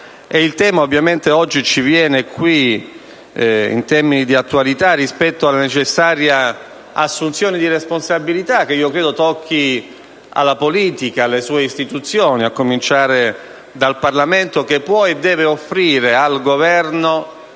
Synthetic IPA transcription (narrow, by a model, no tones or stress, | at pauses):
ɛilt̪ɛːmaovːjament̪eɔd͡ʒːit͡ʃivjɛːnekwi | ḭnt̪ɛrminid̪iat̪ːualit̪arːispɛt̪ːoalːanet͡ʃesːaːɾja | asːunt̪sjoːnid̪iresponsabilit̪ak̟eiːokɾɛːd̪ot̪ɔkʰːi | a̰lːapoliːt̪ikaːlːesuːeist̪it̪ut̪sːjoːniakːomint͡ʃaːɾe | d̪alparlament̪ok̟epːwɔed̪ːɛːveofːɾiːɾealɡovɛrno